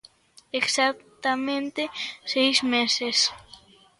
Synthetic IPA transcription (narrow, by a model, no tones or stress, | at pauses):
eksak̚t̪amẽnt̪esejzmeses